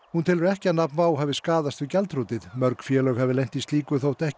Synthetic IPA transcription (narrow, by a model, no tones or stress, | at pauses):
hunt̪ʰɪlvɛɾɛhcɪanapnvaːwɦɛvɪskaːðast̪ɪcɛlt̪ʰɾuːt̪ɪðmœɾkfjɛːlœːɣhɛvɪlejɲ̥t̪ist̪iːkʏθowht̪ɛhc